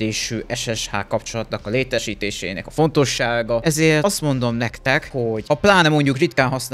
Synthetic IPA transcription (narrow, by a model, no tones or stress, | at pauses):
eːʃyːɛʃɛʃha̰ːkːɒpt͡ʃo̞lɒt̪nɒkɒleːt̪ɛʃiːt̪eːʃḛːnɛ̰kɒfo̞nt̪o̞ʃːaːɡɒɛzeːrɒst̪mo̞nd̪o̞mnɛkt̪ɛkho̞ɟɒplaːnɛmo̞ɲɟukrit̪kaːnɦɒsn